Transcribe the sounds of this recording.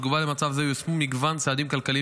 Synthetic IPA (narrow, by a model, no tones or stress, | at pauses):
ɡuvalemat͡savzejosmumiɡvant͡saːd̪imkalkali